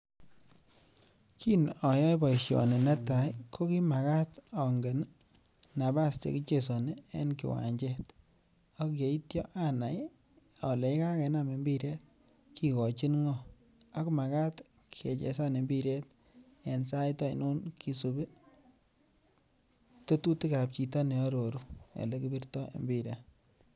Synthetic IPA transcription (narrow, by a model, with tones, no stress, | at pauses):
kʰi˦nɔ˨jɔ˦jbɔ˨i˨ʃjɔ̰˨ne˨nɛ˦ta˨jkʰo˦ki˦ma˨ka˦tɔ˨ŋɡe˨n | na˨ba˦st͡ʃḛ˨ki˦t͡ʃe˨so˨ne˦ḛ˦nkḭ˨wa̰˨ɲd͡ʒe˦t | a˦kje˨i˦tjɔ˦ʔa˦na˨j | a˨le˨˦ka˦kɛ˨na˨me˨mbi˦ɾe˦t̚ | ki˨kɔ˨t͡ʃi˦nŋɔ | a˦kma˨ka˦t | kʰie˨t͡ʃḛ˨sa˦ne˨mbi˦ɾe˦t | e˨nsa˦jta˦i˨nu˦nkʰi˦su˨be˦ | to˦tu˦ti˦ka˨p̚t͡ʃi˨ta˦nɛ˨ɔ˦ɾo˨ɾu˦ḛ˨lekibi˦rtɔ˦ḛ˨mbiɾja˦